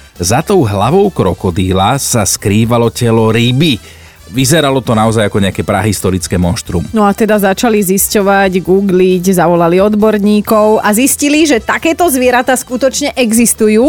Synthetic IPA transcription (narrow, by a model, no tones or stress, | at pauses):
zat̪ɔʊɦlaʋɔʊkɾɔkɔd̪iːlasaskɾiːʋalɔcɛlɔɾibi | ʋizɛɾalɔt̪ɔnaɔzajakɔɲɛakɛːpɾa̰ɦist̪ɔɾit͡skɛːmɔnʃt̪ɾṵːmnɔat̪ɛd̪azat͡ʃaliziscɔʋaɟɡuːɡliɟzaʋɔlaliɔd̪bɔɾɲiːkɔʊʔazisciliʒɛt̪akɛːt̪ɔzʋɪɛɾat̪aːskut̪ɔt͡ʃɲɛʔɛɡzist̪ujuː